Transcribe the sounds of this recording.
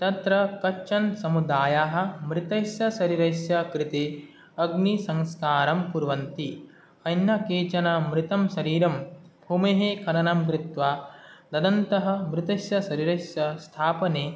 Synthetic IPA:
t̪ɐt̪ɾɐkɐt͡ʃɐnsɐmud̪aːjaːɦɐ̆mɾɪt̪ɐsjɐsɐɾiɾɐjsjɐkɾɪt̪eː | ɐɡnisɐ̃ŋskaːɾɐmpuɾʋɐnt̪i | ɐjnːɐkeːt͡ʃɐnɐmɾɪt̪ɐmʃɐɾiːɾɐmbʱuːmeːɦeːkʰɐɾɐnɐmɡɾɪt̪ʋaːd̪ɐd̪ɐnt̪ɐɦɐ̆mɾɪt̪ɐsjɐsɐɾiɾɐsjɐst̪ʰaːpɐneː

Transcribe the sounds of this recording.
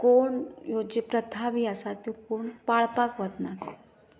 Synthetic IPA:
koɳjod͡ʑepɾət̪ʰabʱiasat̪okoɳpaɭpakʋət̪nat̪

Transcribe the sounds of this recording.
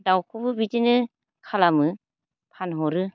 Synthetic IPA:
dawkʰubɯbitinɯ | kʰalamɯ | pʰanɦɔɾɯ

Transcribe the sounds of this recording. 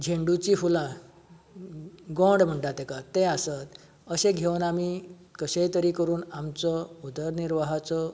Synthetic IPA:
d͡ʑʱeɳɖut͡ɕiːfulã | ɡõɖm̤əɳʈat̪ɛkat̪ẽasat̪ | əɕẽɡʱewnami | kəɕejt̪əɾiːkəɾuːnamt͡sɔud̪ʱəɾniɾʋaɦat͡sɔ

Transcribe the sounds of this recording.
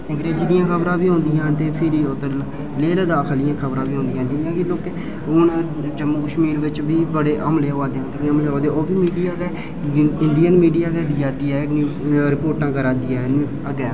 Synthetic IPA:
ɪ̃ɡɾeːd͡ʒid̪ɪjãːkʰəbɾãːbiːɦõːnd̪iːɦãːt̪eːpʰɪɾiːot̪ə | leːld̪aːkʰlɪjãːkʰəbɾãːbiːõːnd̪iːɦãːd͡ʒɪnːjãːkɪloːke | ʊn | t͡ʃəmːukəʃmiːɾʋɪt͡ʃʋiːbəɽeːʔəmleːoʋaːd̪eːɦõt̪eəmleːoʋaːd̪ẽoːbiːmiːɖijaːɡɛː | ɪɳɖijənmiːɖijaːkɛːd̪ijaːd̪iːɛːnː | ɾɪpoːɾʈãːkəɾaːd̪iaː | əɡɛː

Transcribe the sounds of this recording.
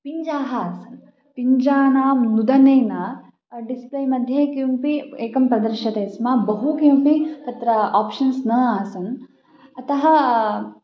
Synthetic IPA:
piɲd͡ʒaːɦɐaːsɐn | piɲd͡ʒaːnaːmnud̪ɐneːnaː | ɖisplɐjmɐd̪ʱjɐkijumpieːkɐmpɾɐd̪ɐɾʃɐt̪eːsmaːbɐɦukijumpit̪ɐt̪ɾɐaːpʃɐnsnɐːaːsɐn | ɐt̪ɐɦɐ̆

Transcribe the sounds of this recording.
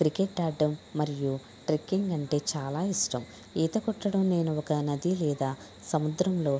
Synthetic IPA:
kɾikeʈːaːɖːɐmːɐɾiju | ʈɾikːiŋɡɐɳʈe̞ːt͡ʃaːlaːiʂʈɐm | iːt̪ɐkɔʈːɐɽɐmne̞ːnuɔkɐnɐd̪ilɛːd̪aː | sɐmud̪ɾɐmlo̞ː

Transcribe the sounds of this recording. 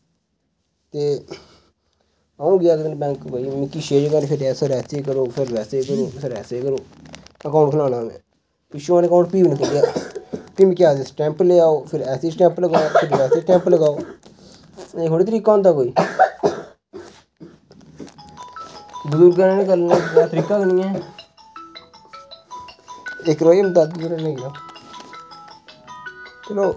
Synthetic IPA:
t̪eː | aːũːɡɪjaːkɪt̪ːnbɛ̃ːŋkbəimɪkːiːʃeːd͡ʒɡaːnpʰɪɾɛːsəɾɛːseːkəɾoːpʰɪɾʋɛːseːkəɾoːsəɾɛːseːkəɾoːəkaːɳʈkʰəlaːnãːʋḛ̃ː | piʃuːaːnekaːʊ̃ɳʈpiːbnəkʰːɡɪjaːpimɪkiaːd̪esʈɛ̃ːmpleːaːoːpʰɪɾɛːseːʈɛ̃ːmpləɡaːoːpʰɪɾʋɛːseːʈɛ̃ːmpləɡaːoː | kʰoːɽiːt̪əɾiːkãːnd̪aːkoːiː | bʊzuɾɡənɛ̃ːnẽkəɾnaːaːt̪əɾiːkaːkəniːɛ̃ː | ɪkɾoːimd̪ad̪̚bəɾɛ̃ːnẽːɡjaː | teloː

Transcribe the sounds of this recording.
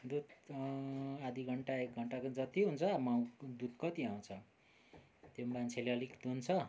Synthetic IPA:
d̪ud̪ | ad̪ʱiɡʱʌɳʈaek̚ɡʱʌɳʈakod͡zʌt̪iɦunt͡sʰʌmaw̃d̪ud̪̚kʌt̪iãw̃t͡sʰʌ | t̪jomant͡sʰeleʌlikd̪unt͡sʰʌ

